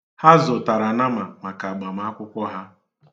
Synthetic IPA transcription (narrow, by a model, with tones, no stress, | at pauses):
ha˦zʊ˨ta˨ɾa˨na˦ma˨ma˨ka˨ɡ͡ba˨ma˦˨˦a˦kʷʊ˦kʷɔ˦ɦa˦